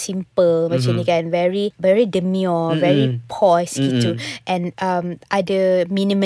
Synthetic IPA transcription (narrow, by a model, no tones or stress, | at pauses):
sĩmpəlmat͡ʃĩnikɛ̃nvɛɹivɛɹidəmjɔvɛɹipʰɔsituʔɛ̃nʔamʔadəmĩnĩmə̃